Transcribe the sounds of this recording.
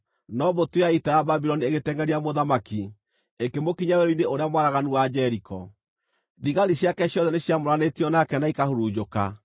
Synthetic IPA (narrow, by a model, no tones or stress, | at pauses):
nɔbotweaitɛjababiɾɔnieɣetɛŋɡɛɾiamoðamaki | ekemokiɲaweɾoineʔoɾeamwaɾaɣanuwad͡ʑɛɾikɔ | ðiɣaɾiɕjakɛɕjɔðɛneɕjamoɾanetiɔnakɛnaikahoɾud͡ʑoka